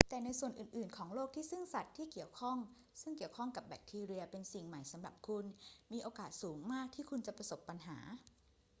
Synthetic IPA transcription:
t̪ɛː˨˩na˧jsu˨˩ənʔɯː˨˩nʔɯː˨˩nkʰɔː˩˦ŋloː˥˩k̚t̪ʰiː˥˩sɯ˥˩ŋsa˨˩t̪ʰːiː˥˩ki˨˩əwkʰɔ˥˩ŋ | sɯ˥˩ŋki˨˩əwkʰɔ˥˩ŋka˨˩p̚bɛ̰˨˩k̚t̪ʰiː˧ɾi˧ɐpe˧nsi˨˩ŋma˨˩jsa˨˦mɾa˨˩p̚kʰu˧nmiː˧ʔoː˧kaː˨˩t̪̚suː˩˦ŋmaː˥˩k̚t̪ʰiː˥˩kʰu˧nt͡ɕa˨˩pɾa˧so˨˩pːa˧nɦaː˩˦

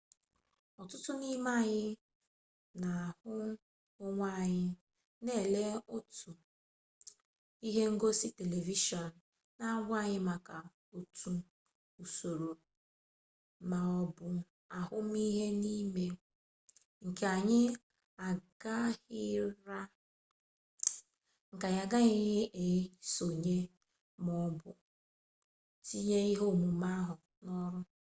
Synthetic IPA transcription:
ɔ˨tʊ˦tʊ˦ni˦ma˦˨ɲɪ˦ | na˨hʊ˦ | ʊ˦ŋʷa˦˨ɲɪ˦ | ne˦˨le˦ʊ˦tu˨ | i˦ɦe˦ŋ̩˦ɡo˦si˦te˨le˨vi˦ʃɔ˨n̩˨ | na˦ɡʷa˦˨ɲɪ˦ma˨ka˨ | o˨tu˨ | u˨so˨ɾo˨ | ma˨ɔ˦bʊ˦ | a˨ɦʊ˦m˦i˦ɦe˦ni˦me˦ | ŋ̩˨ke˨a˨ɲɪ˦ | a˨ɡa˦hɪ˦ɾa˦ | ŋ̩˨ka˨ɲa˨ɡa˦ɦɪ˦ɪ˦ʔe˨˦so˨ɲe˦ | m˦ɔ˦bʊ̰˨ | ti˦ɲe˦i˦ɦo˦˨mu˨ma˦ɦʊ˨ | nɔ˦ɾʊ˦

